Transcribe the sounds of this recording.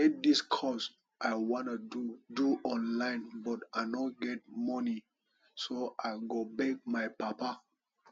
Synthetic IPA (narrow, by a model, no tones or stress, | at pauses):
ɛt̚diskʰɔs | ʔaɪwɔ̃nududuʔɔ̃nlãɪ̃nbɔtaɪnɔɡɛt̚mɔni | soʔaɪɡobɛk̚maɪpapa